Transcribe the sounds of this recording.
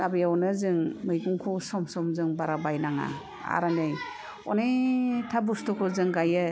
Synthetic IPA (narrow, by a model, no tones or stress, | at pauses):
abijawnɯzɯŋmɯjɡuŋkʰusɔmsɔmzɯŋbaɾabajnaŋa̰ | a̰ɾanɯj | ɔ̰nejtʰabustɔkʰɔzɯŋɡajɯ